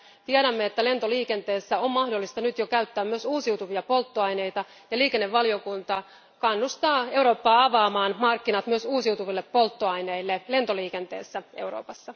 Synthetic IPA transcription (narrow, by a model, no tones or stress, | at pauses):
t̪iæɾæmːeet̪ːæle̞nt̪o̞liːke̞nt̪e̞ːsːæommɑhdo̞lːist̪ɑnyt̪jokæyt̪ːæːmmyøsuːsiut̪uʋiɑpo̞lt̪ːoɑjne̞jt̪ɑ | jɑliːke̞nːeʋːɑlijo̞kunt̪ɑ | kɑnːust̪ɑːe̞wɾo̞ːpːɑːɑʋɑːmɑːnmɑrkːinɑt̪myøsuːsiwt̪uʋilːepːo̞lt̪ːoɑjneilːele̞nt̪o̞liːke̞nt̪e̞̰ːsːæʔe̞̰wɾo̰ːpɑsːɑ